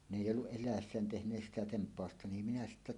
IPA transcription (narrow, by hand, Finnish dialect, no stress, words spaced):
n eˑijː olːuʔ ʔelˑæˑesːæːn tehnˑeːs sitæ tempˑɑˑostɑ ni minæ sitːæ